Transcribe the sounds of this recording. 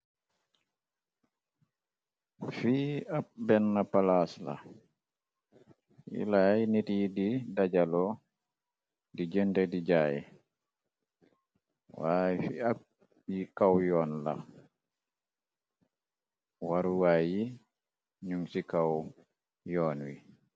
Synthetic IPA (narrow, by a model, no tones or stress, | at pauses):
fiːabɛnːapalasla̰ | ḭlajnitididad͡ʒalɔ | did͡ʒɛndɛdid͡ʒaːjɛ̰ | wajfḭa | jikawjɔnla̰ | waɾuwaji | ɲumsikaw | jɔːnwi